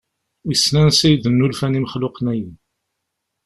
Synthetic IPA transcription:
wisnænsæjðənːulfænimχlʊqnæjin

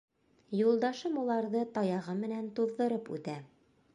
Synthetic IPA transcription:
julˠd̪ɑʃɤmulˠɑɾðɤt̪ɒjɑʁɤmɘ̆nænt̪uððɤ̆ɾɤpʉ̰t̪æ

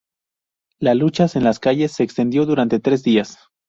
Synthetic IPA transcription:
lalut͡ʃasenlaskaʝe̞sːe̞ːkst̪e̞nd̪jo̞ðuɾant̪e̞t̪ɾe̞zðias

